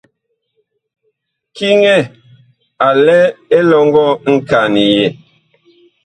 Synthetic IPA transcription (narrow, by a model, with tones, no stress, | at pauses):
ki˦ŋɛ˦˨ | a˨lɛ˦e˦lɔ˦ŋɡɔ˦˨ŋ̩˦ka˨ni˨je˨